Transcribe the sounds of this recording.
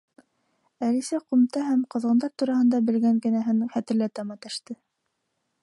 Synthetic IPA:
ælisæqumt̪ɑhæmqɤ̆ðʁɤ̆nd̪ɑɾt̪uɾɑhɤ̆nd̪ɑbɘ̆lɡæŋkɘ̆næɦɘnχæt̪ɘ̆ɾlæt̪ɑmɑt̪æʃt̪ɘ

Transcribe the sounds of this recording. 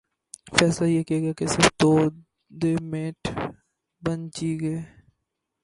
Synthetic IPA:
fɛːslajekiaɡjakesɪɾft̪oː | d̪emeːʈʰ | bɐnt͡ʃiːɡeː

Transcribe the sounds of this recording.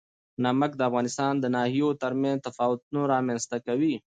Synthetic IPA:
naməkd̪əafɣɑːnɪst̪ɑːnd̪ənɑhijot̪əɾmãnzt̪afɑːwʊt̪̚unoɾɑmanst̪akawi

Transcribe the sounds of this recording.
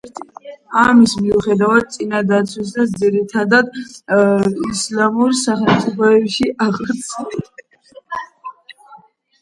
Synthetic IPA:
amismiuχɛd̪avad̪̚t̪sʼinad̪at̪sʰwis̬asd̪ziɾit̪ʰad̪ad̪ | islamuɾsaχɛmt̪sʼipʰɔɛpʃiʔaʁt̪sʰi

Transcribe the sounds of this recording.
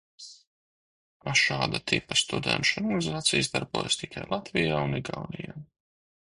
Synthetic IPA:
aʃaːd̪at̪ʰipɐst̪ud̪ɛ̰nʃɔɾɡanizaːt̪sijzd̪aɾbṵːjast̪ikʰajlˠat̪vijaːuniɡawnijaː

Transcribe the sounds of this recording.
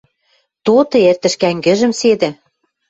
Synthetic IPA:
t̪ot̪ɤ̆ert̪ə̆ʃkæŋɡɘ̆ʒə̆msed̪ɘ̆

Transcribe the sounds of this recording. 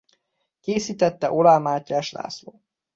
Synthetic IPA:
keːsiːt̪ɛt̪ːɛʔolaːmaːcːaːʃla̰ːsloː

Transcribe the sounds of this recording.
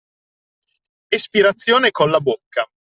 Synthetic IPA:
espiɾat̪sːjoːnekonlabokːa

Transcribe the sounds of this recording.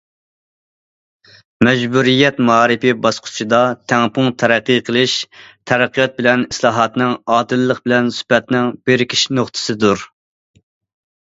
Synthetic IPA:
mɛd͡ʒbuɾijɛt̪mɑɑːɾɨpɪbɑsqʰʊ̥t͡ʃʰid̪ɑt̪ʰɛŋpʊŋt̪ʰɛɾæqːiqʰəlˠɪʃt̪ʰɛɾɛqːijɑt̪̚bɪlɛnislˠɑːɦɑt̪nɨŋɑːd̪ɨlːəq̚bɪlɛnsy̥pɛt̪nɪŋbeɾkʲʰi̥ʃnoχt̪ʰɨ̥sɨd̪uɾ

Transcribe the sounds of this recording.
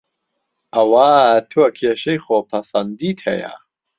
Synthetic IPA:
ʔɐwaːt̪ʰuɐkʰeʃɐjχoːpʰɐsɐnd̪it̪hɛ̰ja̰

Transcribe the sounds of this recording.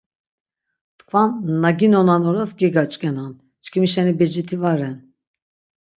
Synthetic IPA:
t̪kʰvanːaɡinɔnanɔɾasɡɛɡat͡ʃʼkʼɛnan | t͡ʃkʰimiʃɛnibɛd͡ʒit̪ʰivaɾɛn

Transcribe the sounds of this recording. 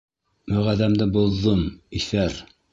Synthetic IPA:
mɵ̆ʁæðæmd̪ɘbulˠːɤmiθæɾ

